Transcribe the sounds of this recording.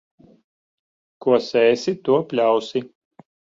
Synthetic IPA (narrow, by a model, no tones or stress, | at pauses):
kuɔsɛːsit̪uɔpʲlʲawsi